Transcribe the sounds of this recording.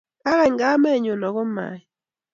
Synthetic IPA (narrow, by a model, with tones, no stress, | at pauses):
ka˦ɾɛ˨ŋɡa˦mɛ˦˨ɲo˨nɔ˨ɣɔ˦ma̰˨i˦